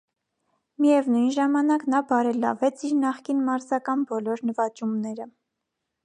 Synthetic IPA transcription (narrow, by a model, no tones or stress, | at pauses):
mijɛvnujnʒɑmɑnɑknɑbɑɾɛlɑ̰vɛt͡sʰiɾnɑχkinmɑɾzɑkɑnbɔlɔɾnəvɑt͡ʃumnɛɾə